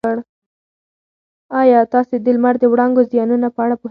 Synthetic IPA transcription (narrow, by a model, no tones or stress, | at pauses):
əɽ | ɑjɑt̪ɑsed̪əlmaɾd̪əwɽɑŋɡozjɑnunapəaɽapo